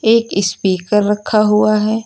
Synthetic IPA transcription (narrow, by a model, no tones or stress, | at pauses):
eːkɪspiːkəɾːɐkʰaɦuaɦɛː